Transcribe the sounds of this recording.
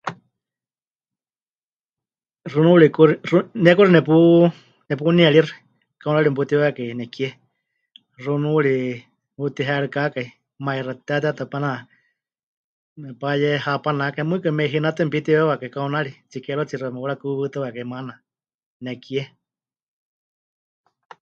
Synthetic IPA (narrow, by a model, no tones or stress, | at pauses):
runuɺikuɾirunɛkuɾinɛp̬u | nɛp̬uniaɺirɨ | kaunaɺimp̬ut̪iwakainɛkiɛ | runuuɺi | ut̪iɦɛɺɨkakai | mairat̪at̪at̪apana | mɛpajɛhapanakamɨkɨmɛiɦinat̪ɨmpit̪iwɛwakaikaunaɺit͡sikɛɺot͡siɾamɛuɾakuβɨt̪ɨwakaimana | nɛkiɛ